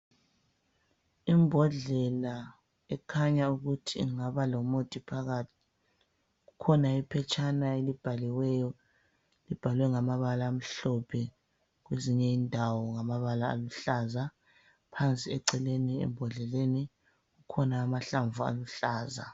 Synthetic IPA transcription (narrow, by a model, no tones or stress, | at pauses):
imbʱɔɮɛla | ɛkʰaɲauɣutʰiŋaβalɔmotʼipʰaɣatʰi | ɣukʰɔnaipʰɛt͡ʃʼanaelib̥ʱaliwɛjɔ | lib̥ʱalwɛŋamaβalaːm̩ɬɔpʰɛ | ɣweziɲɛiːndʱawɔŋamaβala̰ːluɬaza | pʰant͡sʼiɛǀɛleniɛ̰mbʱɔɮɛleni | ɣukʰɔnaːmaɬaɱvua̰luɬaːza̰